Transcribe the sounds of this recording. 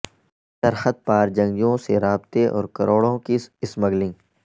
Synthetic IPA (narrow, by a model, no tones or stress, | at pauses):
d̪̥ɐɾxət̪̚paːɾd͡ʒɐ̃ŋɡjõseɾaːbt̪eʔɔ̰ːɾkɐɾoːɽõkiɪsmɐɡlĩː